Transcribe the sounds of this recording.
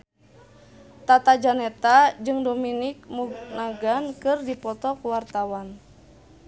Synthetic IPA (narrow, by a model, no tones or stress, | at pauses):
t̪at̪ad͡ʒanɛt̪ad͡ʒɨŋdominik̚muɡnaɡankɨrdipɔt̪ɔkuwart̪awan